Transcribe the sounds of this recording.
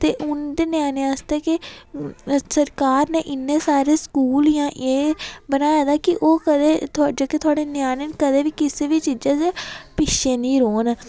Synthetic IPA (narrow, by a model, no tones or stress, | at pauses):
t̪eːʔʊnd̪eːnjaːneast̪eːkɪ | səɾkaːɾneːʔɪnːẽːsaːɾeːskuːljãːʔeːbənaːjaːd̪aːkɪʔoːkəd̪eːt̪ʰʊaːd͡ʒaːket̪ʰʊaːɽeːnɪjaːneːnkəd̪eːʋiːkɪseːbiːt͡ʃiːd͡ʒãːd͡ʒepɪʃeːnĩːɾoːn